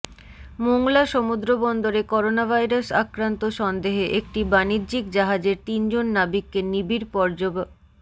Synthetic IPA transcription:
moŋlaʃomud̪ɾobɔnd̪oɾekɔɾonabʱajɾasakɾant̪oʃɔnd̪eɦeʔek̚ʈibaniɾd͡ʑikd͡ʑaɦad͡ʑeɾt̪ind͡ʑonːabikːenibiɾpɔɾd͡ʑob

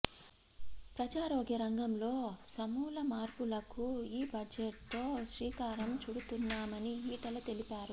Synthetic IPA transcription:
pɾɐd͡ʒaːɾoːɡiɾɐŋɡɐmlo̞ːsɐmuːlɐmaːɾpulɐkuiːbʱɐd͡ʒeʈ̚t̪o̞ːʃʋiːkaːɾɐmt͡ʃuɽut̪unːaːmɐniɦiːʈɐlɐt̪e̞lipaːɾu

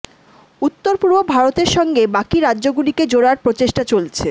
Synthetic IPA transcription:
ut̪ːoɾpuɾbobʱaɾot̪eɾʃɔŋɡebakiɾadːʑoɡuliked͡ʑoɽaɾpɾot͡ɕeʃʈat͡ɕolt͡ɕʰe

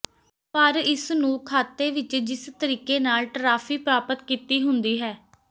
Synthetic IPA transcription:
pəɾɪsnũːkʰaːt̪ːeːʋɪt͡ʃd͡ʒɪst̪əɾiːkeːnaːlʈɾaːfʰiːpɾaːpət̪kiːt̪iːɦʊnd̪iːɦɛː

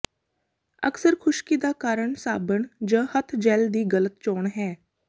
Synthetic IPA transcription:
ə̰ksəɾkʰʊʃkiːd̪aːkaːɾəɳsaːbəɳd͡ʒə̃ːhət̪ʰd͡ʒɛːld̪iːɡələt̪t͡ʃoːɳɦɛː

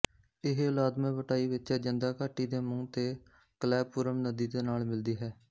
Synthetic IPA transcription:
ɪɦʊlaːd̪mẽːʋəʈaːiːʋɪt͡ʃɛːd͡ʒɪnd̪aːkaːʈːiːd̪eːmʊ̃ːt̪eː | kəlɛːpːʊɾəmnəd̪iːd̪eːnaːlmɪld̪iːɦɛː

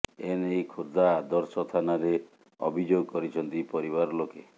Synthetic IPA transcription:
enejkʰud̪aːd̪ɔɾsɔt̪ʰanaɾe | ɔ̰bʱid͡ʒoɡɔkɔɾit͡ʃʰɔnt̪ipɔɾiβaɾɔloke

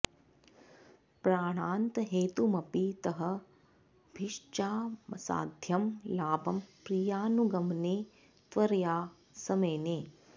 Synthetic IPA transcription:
pɾaːɽ̃aːnt̪ɐɦeːt̪umɐpit̪ɐɦɐ̆ | bʱiʃt͡ʃaːmɐsa̰ːd̪ʱjɐmlaːbɐmpɾijaːnuɡɐmneː | t̪ʋɐɾjaː | sɐmɐjneː

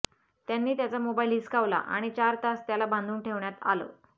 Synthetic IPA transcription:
t̪janːiːt̪jat͡samobailiskaʋla̰ʔa̰ɽ̃it͡ɕaɾt̪ast̪jalabãnd̪uːnʈʰeʋɳjat̪a̰lo̰

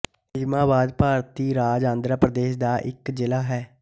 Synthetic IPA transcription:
ɪmaːbaːd̪paːɾt̪iːɾaːd͡ʒãːnd̪ɾəːpɾəd̪eːʃd̪aːʔɪkd͡ʒɪlaːɦɛː

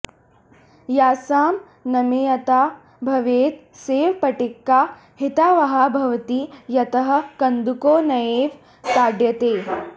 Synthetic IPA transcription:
jaːsaːm | nɐmeːjɐt̪aː | bʱɐʋeːt̪ | seːʋpɐʈɪkːaː | hit̪aːʋɐɦaːbʱɐʋɐt̪ijɐt̪ɐɦɐ̆kɐnd̪ukoːnɐjeːʋ | t̪aːɖjɐt̪eː

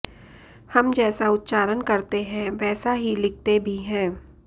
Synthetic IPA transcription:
hɐmd͡ʒɛːsaʊt̪ːt͡ʃaːɾənkɐɾt̪eɦɛ̃ʋɛːsaɦilɪk̚ʰt̪ebʱiɦɛ̃ː

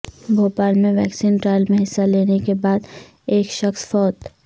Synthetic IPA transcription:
bʱoːpaːlmẽʋɛːksiːnʈɾaːɪlmẽɦɪsːaleːnekebaːd̪ | eːkʃɐxsfɔːt̪

